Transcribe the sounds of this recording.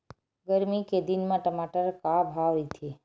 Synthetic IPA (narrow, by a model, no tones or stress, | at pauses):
ɡəɾmiked̪inmãʈəmaʈəɾkabʱaʋit̪ʰe